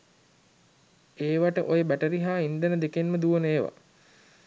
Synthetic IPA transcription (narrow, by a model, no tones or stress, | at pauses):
eːʋaʈəʔojəbæʈəɾiɦaːind̪ənəd̪ekenməd̪uʋəneːʋa̰